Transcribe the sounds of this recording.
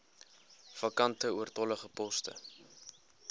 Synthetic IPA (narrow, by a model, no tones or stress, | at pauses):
fɐkɐntəuərtɔləχəpɔstə̰